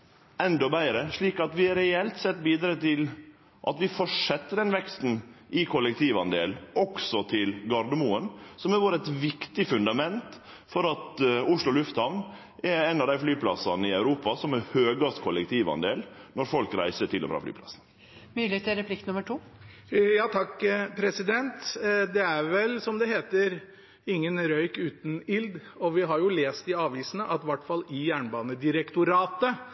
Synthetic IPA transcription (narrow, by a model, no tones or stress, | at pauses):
ɛnd̪ɔbæɪɾəʂɭiːkɑt̪ʋɪɾɛɛlt̪sɛt̪ːbiːd̪ɾɑːt̪ɪl | ʔɑt̪ʋɪfɔʂɛt̪ːəd̪ɛnʋɛkst̪n̩ʔɪkʰɔlːɛkt̪ʰiːʋɑnd̪ḛːlɔksɔt̪ʰɪlɡɑɾɖ̪əmuːənsɔmæɾʋoːɾəɛt̪ʋɪkt̪ɪfʉnd̪ɑmɛnt̪ | fɔɾɑt̪ʊʂlʊɔlʉft̪hɑʋn | ɛɾɛnɑʋd̪æɪflyːpʰlɑsɑnəɪɑʉɾuːpɑsɔmæɾhøːɡɑst̪kʰɔlɛk̚t̪ʰiːʋɑ̰nd̪eːlnɔɾfɔlkɾæ̰ɪsəʈʰɪlɔ̰fɾɑ̰fly̰ːpʰlɑ̰sn̩ | myːlɪt̪ːɾɛpʰlɪkt̪nʉməʈʰuː | jɑːt̪ʰɑkːpʰɾɛsɪd̪ɛnt̪d̪ɛæɾʋɛlsɔmd̪ɛheːt̪əɾ | ɪŋːənɾœʏkʉːt̪n̩ɪld̪ | ɔʋɪɦɑɾjʊleːst̪ɪɑːʋiːsnəʔɑt̪ʋɑʈːfɑlɪjæːɳbɑːnəd̪ɪɾəkt̪ʊɾɑːt̪ə